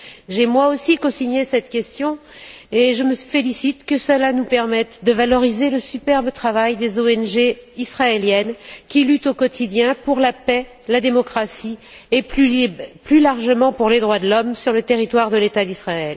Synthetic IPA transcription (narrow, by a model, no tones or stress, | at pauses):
ʒemwaosikɔ̃siɲesɛt̪kʲɛst̪jɔ̃eʒəməfelisit̪kəsəlanupɛʁmɛt̪d̪əvalɔʁizeləsypɛʁbət̪χavajd̪ezoɛnʒeisχaeljɛnkʲilyt̪okɔt̪ʰid̪jɛ̃puʁlapɛ | lad̪emɔkχasiepyplylaʁʒəmɑ̃puʁled̪ʁwad̪əlɔmsyʁlət̪eʁit̪waʁd̪əlet̪ad̪isχaɛl